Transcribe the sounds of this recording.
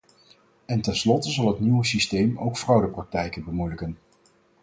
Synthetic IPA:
ɛntɛnslɔtəzɑlˠɦətniwəsistejmowkfrɑwdəprɑk̚tɛjkənbəmujləkən

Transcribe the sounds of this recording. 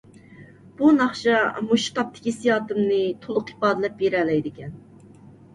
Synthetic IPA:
b̥unɑχʃɑmuʃt̪ɑp̚t̪ʰɪ̥kʲisijɑːt̪ɨmnɨt̪ʰolˠʊqi̥pɑːd̪ɨlɛp̚beɾɛːlɛjd̪ɪkʲɛn

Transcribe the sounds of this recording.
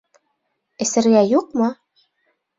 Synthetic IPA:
ɘ̆sɘ̆ɾɡæjuqmɤ

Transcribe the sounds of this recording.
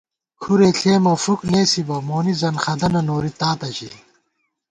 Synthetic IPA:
kʰuɾeːɬʰeːmɐfukneːsibɐmoːnizɐnxɐd̪ɐnɐnoːɾit̪aːt̪ɐɕḭl

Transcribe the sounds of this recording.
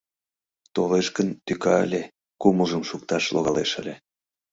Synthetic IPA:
t̪oleʃkənt̪ykɑə̰lʲe | kuməʒəmʃuk̚t̪ɑʃlo̰ɣɑleʃə̰lʲe

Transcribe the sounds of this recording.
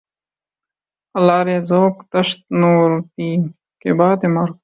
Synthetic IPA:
ɐlaːɾeːzoːkt̪ɐʃt̪̚noːɾt̪iː | kebaːd̪emɐɾ

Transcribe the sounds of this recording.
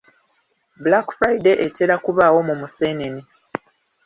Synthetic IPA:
bulakfɾaideʔetʰeɾakuβaːwo̞mumuseːneni

